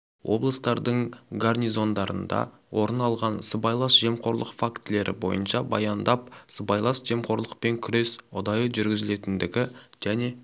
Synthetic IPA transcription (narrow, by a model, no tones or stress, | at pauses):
wʔo̞̰blˠəst̪ɑɾd̪əɴɡarnizo̞nd̪ɑɾə̰nd̪ɑ̰ | wʔo̞ɾənɑlˠʁɑnsəbɑjlˠɑsʒ̥e̞mqʰo̞ɾlˠəqfakt̪ɪle̞ɾʔɪ̰bo̞̰jənʃɑbɑ̰jɑnd̪ɑp̚səbɑjlˠɑsʒ̥e̞mqʰo̞ɾlˠəqpe̞ŋkʲʰʏɾe̞sʊd̪ɑjəʒʏɾɡʲɪzɪle̞t̪ɪnd̪ɪɡʲɪʒ̥æne̞